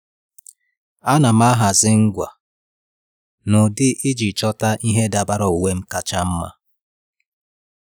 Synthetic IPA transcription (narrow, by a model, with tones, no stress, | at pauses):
a˦na˨m̩a˦ɦa˨zɪ˦ŋ̩˦ɡʷa̰˨ | nʊ˨dɪ˦ʔɪ˦d͡ʒi˨t͡ʃɔ˦ta˦ʔi˦ɦe˦da˨ba˦ɾɔ˨u˨we˦m̩˦ka˦t͡ʃa˦m̩˦ma̰˦